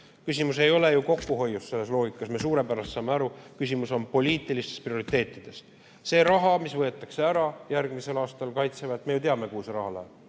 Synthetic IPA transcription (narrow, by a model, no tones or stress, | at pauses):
kysʲimuse̞jo̞le̞juko̞kːuɦo̞jːusse̞lːe̞s̬lo̞ːɡikːˑɑsmesuːɾe̞pæɾɑst̪sɑːmeɑɾukysʲimuso̞npo̞lʲiːt̪ːˑilist̪e̞sprio̞ɾit̪ːˑe̞ːt̪ːˑid̪̥e̞s | se̞ːɾɑɦɑmisvɤ̞e̞t̪ːˑɑkse̞æɾɑjærɡ̥mise̞lɑːst̪ɑlkɑjt̪sevɑt̪ːme̞jut̪eɑme̞kuːsɾɑhɑlæ̥